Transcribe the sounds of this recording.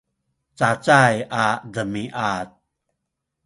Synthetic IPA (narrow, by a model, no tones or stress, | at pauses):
t͡sat͡sajʔad̪əmiʔat̪̚